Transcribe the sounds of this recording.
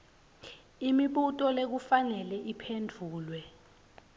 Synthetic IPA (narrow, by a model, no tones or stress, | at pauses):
imiɓutʼɔlek̬ufanɛlɛʔipʰendʱuːlwɛ